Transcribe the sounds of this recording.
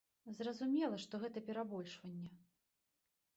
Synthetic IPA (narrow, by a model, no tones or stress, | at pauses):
zrɐzumʲɛlˠɐʂt̪ɔɣɛt̪ɐpʲɛɾabɔlʲʂvɐnʲːɛ